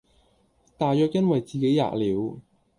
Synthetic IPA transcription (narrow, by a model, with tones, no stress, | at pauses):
t̪aː˨jœː˨˧k̚jɐ˥nwɐ˨jt͡siː˨ke˨˥jːa̰ː˧˩k̚liː˨˥w